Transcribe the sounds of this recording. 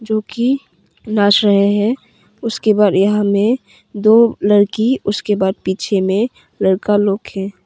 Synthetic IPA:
d͡ʒoːki | naːʃɾɐɦeɦɛ̃ | ʊskebaːd̪jɐɦãmẽ | d̪oːləɾkiʊskebaːd̪̚piːt͡ʃʰemẽ | ləɽkaloːɡɦɛ̃ː

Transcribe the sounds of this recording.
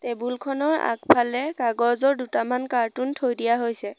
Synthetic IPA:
tebulkʰɔnɔɹa̰kpʰalɛkaɡɔzɔɹdutamankaɹtuntʰojdijaɦojsɛ

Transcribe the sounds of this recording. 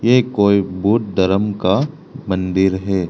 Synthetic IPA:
jekoːibuːt̪̚d̪ɐɾəmka | mɐ̃nd̪ɪɾɦɛː

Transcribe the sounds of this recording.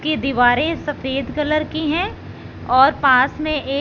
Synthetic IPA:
kid̪iʋaːɾẽsɐfeːd̪kɐləɾkiɦɛ̃ | ɔːɾpãːsmẽʔeː

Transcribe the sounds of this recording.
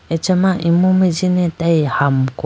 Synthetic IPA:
et͡ʃemaʔimumed͡ʒinetajhamko

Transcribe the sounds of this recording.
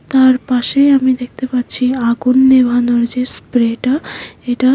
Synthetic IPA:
t̪aɾpaʃeamid̪ek̚ʰt̪epatːt͡ɕʰiaɡunːebʱanɔɾd͡ʑespɾeʈaeʈa

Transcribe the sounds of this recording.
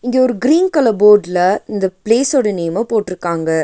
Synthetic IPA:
ɪŋɡeɔɾɯɡɪɾiːnkɐlɐboːɾɖlɐɪnd̪ɐpleːsoːɽɐneːmɐpoːʈːɪɾɯkːaːŋɡɐ

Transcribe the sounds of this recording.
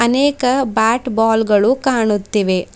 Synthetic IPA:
ɐneːkɐbaːʈbaːlɡɐɭukaːɳut̪ːiʋe̞

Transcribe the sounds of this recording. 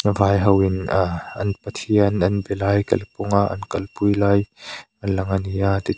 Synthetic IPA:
nəvaːjɦɐwɪnɐ̰npət̪ʰiɐnɐnbɛlaːjkɐ̰lpʊŋaʔɐ̰nkɐlpujlaːjʔɐnlɐŋɐniaːt̪i

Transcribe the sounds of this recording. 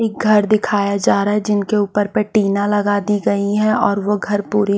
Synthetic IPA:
eːk̚ɡʱɐɾd̪ɪkʰaːjad͡ʒaːɾaɦɛd͡ʒɪnkeuːpəɾpɛʈiːnãlɐɡaːd̪iɡɐiɦɛ̃ɔːɾʋoɡʱɐɾpuːɾi

